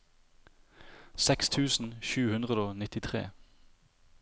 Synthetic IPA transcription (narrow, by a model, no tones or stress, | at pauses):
sɛkst̪ʰʉːsn̩ʃʉːhʉnd̪ʁəd̪oːnɪt̪ɪt̪ʰʁḛː